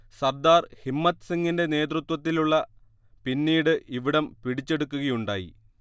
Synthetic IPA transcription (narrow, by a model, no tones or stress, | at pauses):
sɐrd̪aːrhimːɐt̪ːsiŋɡinde̞ne̞ːt̪rut̪wɐt̪ːiluɭːɐ | pinːiːɽɨʔiʋiɽɐmpiɽit͡ɕːe̞ɽukːuɣɐjuɳɖaːjḭ